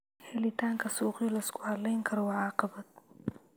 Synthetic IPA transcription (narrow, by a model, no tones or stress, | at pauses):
hɛlɪt̪ʰaːŋkʰɐsuːqilɐɪskʰʊʕɐlːɛjŋkʰɐɾɔwɑʕɑːqɑbɐd̪̚